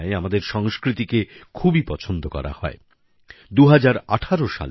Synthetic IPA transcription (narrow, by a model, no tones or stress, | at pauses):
eamad̪eɾʃɔŋskɾit̪ikekʰubipɔt͡ɕʰond̪okɔ̰ɾa̰hɔ̰e | d̪uɦad͡ʑaɾaʈʰaɾoʃa̰l